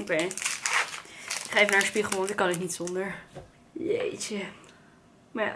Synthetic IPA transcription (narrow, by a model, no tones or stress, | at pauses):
okej | ɪkχaːefənaːɹənspiχəl̩ˠɔɪkɑnɪknitsondəɹ | jḛt͡ʃə | ma